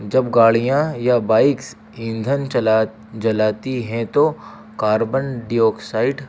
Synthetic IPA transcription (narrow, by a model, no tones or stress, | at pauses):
d͡ʒɐbɡaːɭijãjabaːɪks | ĩnd̪ʱən | d͡ʒɐlaːt̪iɦɛ̃t̪o | kaːɾbənɖijoːksaːɪɖ